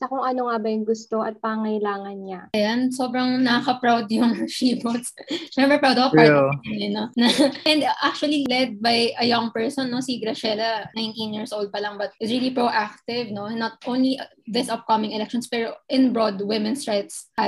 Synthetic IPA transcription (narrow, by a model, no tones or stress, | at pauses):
sɐkʊŋʔɐnoŋabɐjʊŋɡʊst̪oʔɐt̪̚pɐŋɐɪlaːŋɐnɲaɐjanso̞bɾɐŋnɐkɐkɐpɹawd̪jʊŋʃiːbosʃɛmpɾɛpɹawd̪ɐkopaɾɐɐnɛnonɐɛnd̪ʔak̚t͡ʃuɐlilɛd̪̚bajʔɐjɐŋpɛɹsɔnːo̞siɡɾɐʃɛlɐnajnt̪ĩnjiɹsʔowld̪̚pɐlɐŋbɐt̪̚ʔɪt̪sɹilipɹoʔak̚t̪ɪvno̞nːɐt̪̚ʔõwnliʔ | ðɪsɐp̚kɐmɪ̃ŋɛlɛk̚ʃɔ̃nspɛɹoʔɪ̃nbɹod̪wɪmɛ̃nst̪ɹɛt̪shɐ